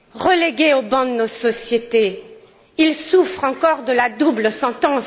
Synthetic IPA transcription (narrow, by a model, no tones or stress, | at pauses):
ʁəleɡʲeobɑ̃d̪ənosɔsjet̪e | ilsufχɑ̃kɔʁd̪əlad̪ubləsɑ̃t̪ɑ̃s